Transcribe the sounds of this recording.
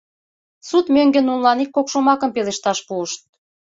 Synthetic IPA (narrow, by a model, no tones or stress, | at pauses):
sut̪møŋɡenunlɑnikːokʃomɑkəmpeleʃt̪ɑʃpuəʃt̪̚